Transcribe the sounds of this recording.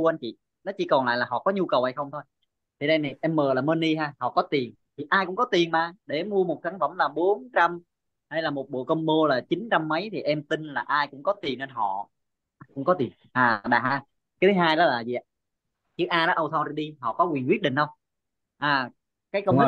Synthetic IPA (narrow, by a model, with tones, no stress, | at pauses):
u˧ʔa˧nt͡ɕḭ˧˨ | nɔ˨˦t͡ɕi˧˩kɔ˨˩nla̰ː˧˨laː˨˩ɦɔ̰˧˨kɔ˨˦ɲu˧kə˨˩wha˧jxə˧wŋ͡mt̪ʰo˧j | t̪ʰe˧˩ne˧na˨˩jʔɛ˧mːəː˨˩laː˨˩məː˧nɗi˧ɦaː˧hɔ̰˧˨kɔ˨˦t̪i˨˩ən | t̪ʰi˨˩ʔaː˧jkʊ˧˥ŋ͡mkɔ˨˦t̪i˨˩ənmaː˨˩ɗe˧˩mu˧əmo˨˩t̚sa˨˦ŋfə˧˩mlaː˨˩ɓo˨˦nt͡ɕa˧m | ha˧jlaː˨˩mo˨˩t̚ɓo̰˧˨kə˧wŋ͡mmo˧laː˨˩t͡ɕi˨˦nt͡ɕa˧mːə˨˦jt̪ʰi˨˩ʔɛ˧mt̪i˧nlaː˨˩ʔaː˧jkʊ̰˧˥ŋ͡mkɔ˨˦t̪i˨˩nːe˧nɦɔ̰˧˨ | kʊ̰˧˥ŋ͡mkɔ˨˦t̪i˨˩ənʔaː˨˩ɗa̰ː˨˩haː˧ | ka˨˦t̪ʰi˨˦ɦaː˧jɗɔ˨˦laː˨˩zḭ˧˨a | t͡ɕɨ˨˦˥k̚ʔaː˧nɔ˨˦ʔə˧wt̪ʰɔ˧ɾi˧ɗi˧ɦɔ̰˧˨kɔ˨˦kwi˨˩ənkwi˦˥ət̚ɗḭ˧˨ŋ̟ɗə˧wŋ͡m | ʔaː˨˩ | kaː˨˦jkə˧wŋ͡m